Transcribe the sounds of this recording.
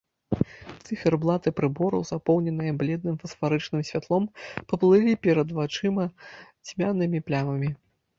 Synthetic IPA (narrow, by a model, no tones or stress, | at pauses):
t̪sɨfʲɛrblˠat̪ɨpɾɨbɔɾɐ̰wzapɔwnʲɛnɨjɐblʲɛd̪nɨmfɐsfaɾɨt͡ʂnɨmsʲvʲat̪lˠɔmpɐplˠɨlʲipʲɛɾɐd̪vat͡ʂɨmɐ | t͡sʲmʲanɨmʲiplʲamɐmʲi